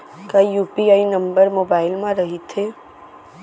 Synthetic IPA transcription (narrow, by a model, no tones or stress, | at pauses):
kajuːpiaːinə̃mbəɾmoːbaːɪlmãɾəɦit̪ʰe